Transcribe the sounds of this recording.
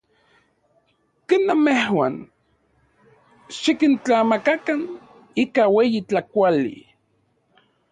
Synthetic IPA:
kenːamehwa̰n | ʃikint͡ɬamakakan | ikaweːjit͡ɬakʷalḭ

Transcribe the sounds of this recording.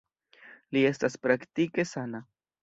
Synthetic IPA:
liest̪aspɾakt̪ikesana

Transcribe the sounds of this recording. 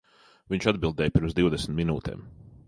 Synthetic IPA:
viɲt͡ʃad̪bilˠd̪ɛːjpiɾmzd̪iwd̪esm̩t̪minṵːt̪ʰɛ̰ːm

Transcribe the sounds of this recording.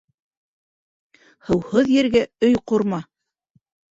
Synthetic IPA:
hɤ̆whɤðjɘ̆ɾɡæɵjquɾmɑ

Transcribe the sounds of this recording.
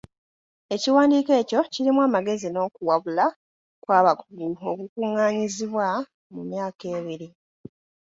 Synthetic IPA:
e̞ciwaːndiːke̞ːco̞ciɾimwaːmaɡe̞zino̞ːkuwaβula | kwaːβakuɡuo̞kukuːŋːaːɲiziβwa | mumjaːke̞ːβiɾi

